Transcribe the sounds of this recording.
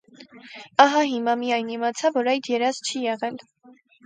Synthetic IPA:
ɑɦɑɦimɑmijɑjnimɑt͡sʰɑvɔɾɑjd̪jɛɾɑzt͡ʃʰijɛʁɛl

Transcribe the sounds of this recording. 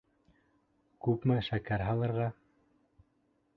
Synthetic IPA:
kʉpmɘʃækæɾɦɑlˠɤ̆ɾʁɑ

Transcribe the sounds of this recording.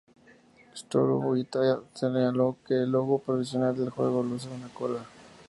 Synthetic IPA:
st̪oɾṵuit̪ajaseɲalokeloɣopɾoβisjonald̪elxweɣolos̬eɣonakola

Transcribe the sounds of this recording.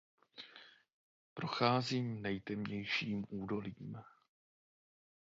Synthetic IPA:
pɾo̞xaːziːmnɛjt̪ɛmɲɛjʃiːmʔuːdo̞liːm

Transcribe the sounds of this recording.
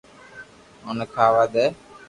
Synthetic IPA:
onkʰaːʋaːd̪ɛː

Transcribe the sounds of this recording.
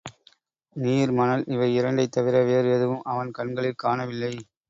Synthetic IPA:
niːɾmɐnɐlʔɪʋɐɪɪɾɐɳɖɐɪt̪ːɐʋɪɾɐʋeːɾjɐðɯʋɯmʔɐʋɐnkɐɳɡɐɭɪlkaːnɐʋɪlːɐɪ

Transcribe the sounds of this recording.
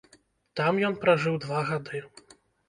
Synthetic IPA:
t̪amjɔnpɾaʐɨwd̪vaɣad̪ɨ

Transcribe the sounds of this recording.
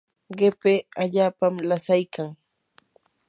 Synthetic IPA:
ɢepeaʎaːpamlasajkʰaŋ

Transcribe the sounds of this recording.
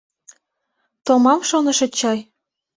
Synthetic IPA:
t̪omɑmʃonɤ̆ʃɤ̆t͡ɕɑj

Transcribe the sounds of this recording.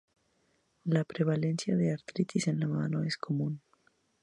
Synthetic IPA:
lapɾeβ̞alensjaðeaɾt̪ɾit̪izenlamanoeskʰomun

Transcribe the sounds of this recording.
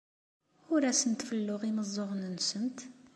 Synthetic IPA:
ʊɾæsənt̪fəlːʊʁiməzˤːoʁnənsənt̪

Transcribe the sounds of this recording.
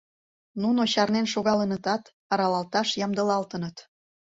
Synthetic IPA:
nunoɕɑrnenʃoɣɑlənət̪ɑt̪ | ɑɾɑlɑlt̪ɑʃjɑmd̪ə̆lɑlt̪ə̆nət̪

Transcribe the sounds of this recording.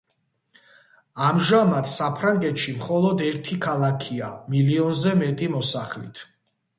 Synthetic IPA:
amʒamat̪ʰsapʰɾaŋɡɛt̪ʃimχɔlˠɔd̪ɛɾt̪ʰikʰalˠakʰiamiliɔnzɛmɛt̪ʼimɔsaχlḭt̪ʰ

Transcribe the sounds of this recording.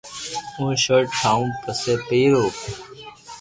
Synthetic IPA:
ũːʃəʈʈʰaːũːpəseːpeːɾoː

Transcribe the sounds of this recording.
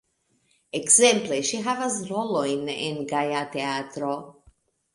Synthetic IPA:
ekzɛ̃mpleʃiɦavazɾolojnenɡajat̪eat̪ɾo

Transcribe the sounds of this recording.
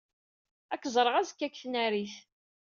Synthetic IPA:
ækːzˤɾˤəʁæzəkːækːθnæɾiθ

